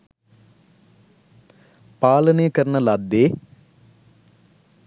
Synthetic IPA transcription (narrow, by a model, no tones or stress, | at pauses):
paːlɐneːkɐɾɐnɐlaːd̪ːeː